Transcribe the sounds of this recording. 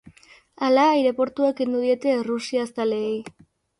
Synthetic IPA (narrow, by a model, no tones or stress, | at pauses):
alajɾe̞po̞ɾt̪uakend̪uð̞ie̞t̪e̞rusiast̪aleːj